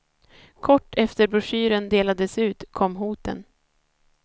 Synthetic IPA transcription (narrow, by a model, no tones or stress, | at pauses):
kʰɔʈːɛft̪əɾbɾʊʂyːɾənd̪eːlad̪əsʉ̟ːt̪kʰɔmːɦuːt̪ə̰n